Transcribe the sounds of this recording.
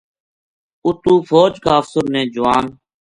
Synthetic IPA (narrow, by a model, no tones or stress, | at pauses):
ʊt̪uːfʰoːd͡ʒkaːəfsʊɾnẽːd͡ʒʊʋaːn